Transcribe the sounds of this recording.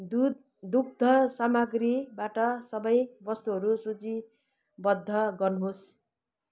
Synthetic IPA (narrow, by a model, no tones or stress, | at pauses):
d̪uɡ̚d̪ʱʌsamʌɡribaʈʌsʌbʌjbʌst̪uɦʌɾusut͡si | bʌd̪ʱːʌɡʌrnuɦos